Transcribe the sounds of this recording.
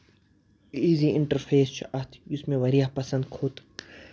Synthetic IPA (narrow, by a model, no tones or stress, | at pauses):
iːziːʔiɳʈɐɾfʰeːst͡ʃʰiʔɐt̪ʰjusmẽʋɐɾiahpɐsɐnd̪̚kʰot̪